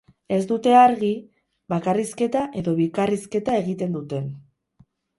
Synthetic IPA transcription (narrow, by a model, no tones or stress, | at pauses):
e̞zd̪ut̪e̞aɾɣi | βakariske̞t̪aʔe̞ðo̞βikariske̞t̪ae̞ɣit̪e̞nd̪ut̪e̞n